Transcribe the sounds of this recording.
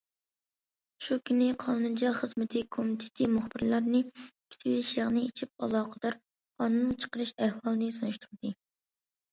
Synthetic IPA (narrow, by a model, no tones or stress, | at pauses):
ʃukʲʰynɪqʰɑnund͡ʒɑlˠχəzmɪt̪ʰɪkʰomt̪ʰɪ̥t̪ʰɪmʊχb̥ɪɾlˠɑɾnɨkʲʰːi̥t̪ʰɪwilɪʃjɑʁnɨet͡ʃʰip̚ɑ̰lˠɑːqʰəd̪̥ɑɾ | qʰɑnunːɨŋt͡ʃʰə̥qəɾɨʃɛhwɑlˠɨnɨsonuʃt̪ʰuɾɨd̪̥ɨ